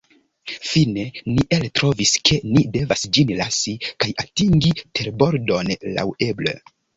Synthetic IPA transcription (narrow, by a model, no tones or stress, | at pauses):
fine̞niʔeltɾo̞viske̞nide̞vasd͡ʒinlasikajatiŋɡitʰe̞ɾbo̞ɾdo̞nla̰we̞blḛ